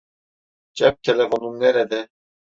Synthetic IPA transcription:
d͡ʒɛp̚t̪ʰelefonunːɛɾɛd̪ɛ

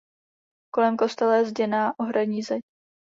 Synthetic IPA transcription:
ko̞lɛmko̞st̪ɛlɛzɟɛnaːʔoɦɾaɲiːzɛɲ

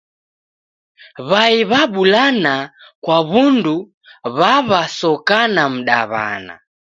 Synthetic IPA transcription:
βaiβaɓulanakwaβundu | βaβasɔkanam̩ɗa̰βa̰na̰

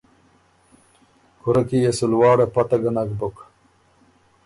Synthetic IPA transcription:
kuɾɐkijesulwɑːɽepɐt̪ɐɡɐnakbuk

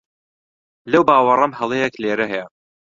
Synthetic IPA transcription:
lɐwbaːwɐrˤɐmhɐlˠejekleːɾɐɦɛjɛ

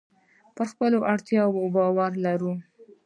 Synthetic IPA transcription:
pəɾxpəloʔaɽt̪jɑwobɑwaɾlaɾu

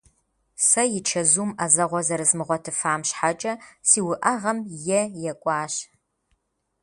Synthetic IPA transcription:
sɐjɪt͡ʃʰɐzumɐzɐʁʷɔzɐɾɨzmɨʁʷɔtʰɨfaːmɕħat͡ʃʼɐsiːwʊʔɐʁɐmjɛjɛkʷʼɑːɕ

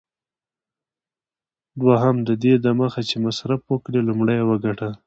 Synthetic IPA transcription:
d̪waɦamd̪əd̪ed̪amaxat͡ʃemasɾafwəkɽelumɽajawəɡaʈa

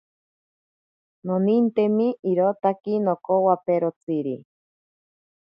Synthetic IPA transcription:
nonint̪emiʔiɾot̪akinokowapeɾot͡siɾi

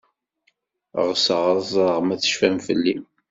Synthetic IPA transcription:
ʁsəʁɾˤzˤɾˤəʁmæθə̥ʃfæmfəlːi

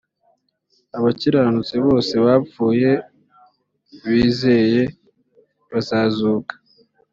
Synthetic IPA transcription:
aβaciɾanut͡siβo̞ːse̞βafuːje̞ | βiːze̞je̞ | βazaːzuːkḁ

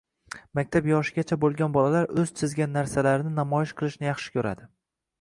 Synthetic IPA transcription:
mak̚ʲt̪ʰapjɒʃɪɡʲat͡ʃʰabolˠɡʲanbɒlalaɾɵzt͡ʃ̪ʰɪzɡʲanːaɾsalaɾɪnɪnamɒjɪʃqʰɨlˠɪʃnɪjɑχʃɪ̥kʲʰɵɾa̰d̪ɪ

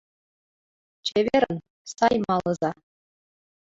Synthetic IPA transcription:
t͡ɕeʋʲeɾʲɘ̆n | sɑjmɑlˠɤ̆zɑ

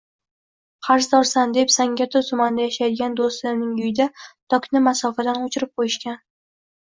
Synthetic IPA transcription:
χaɾsd̪ɒɾsand̪e̞psaŋɡʲat̪ʰʊt̪ʰʊmand̪ajaʃajd̪ɪɡʲand̪ost̪lɪɾnɪŋʊjɪd̪at̪ʰɒkʰʲnɪmasɒfad̪anʊt͡ʃʰɪɾɪp̚qʰojɪʃkʲan

